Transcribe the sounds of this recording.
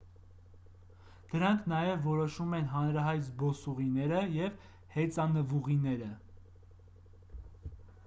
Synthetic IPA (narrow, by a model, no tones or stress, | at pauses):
d̪̥əɾɑŋkʰnɑjɛvːɔɾɔʃumɛn̪ɦɑnɾɑɦɑjt̪zbɔsuʁinɛɾəjɛv | hɛt͡sɑnəvuʁinɛɾə